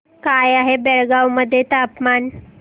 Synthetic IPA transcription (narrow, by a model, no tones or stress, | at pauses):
kajaɦebeɭɡawməd̪ʱːjet̪apman